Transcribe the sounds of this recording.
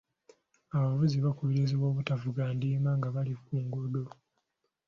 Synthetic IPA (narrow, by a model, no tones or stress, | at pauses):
aβavuziβakuβiɾiziβwoːβutavuɡaːndiːmaŋɡaβalikuːŋɡodo